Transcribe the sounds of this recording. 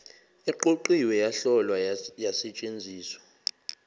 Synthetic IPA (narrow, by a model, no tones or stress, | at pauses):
ɛǃoǃiwɛjaɬɔlwajasɛt͡ʃʼend͡zʱiːswḁ